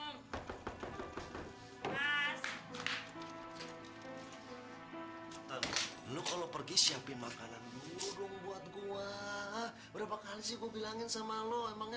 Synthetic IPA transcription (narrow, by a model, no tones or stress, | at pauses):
as | t̪an | lokalopərɡisiampɪnmakananbuɾʊŋbuat̪̚ɡuwa | bəɾapakalisɪɡuabilaŋɪnsamaloemaŋ